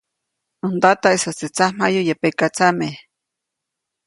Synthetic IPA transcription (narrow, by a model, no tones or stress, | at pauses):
und̪at̪aesat͡set͡sam̥ajujepekat͡same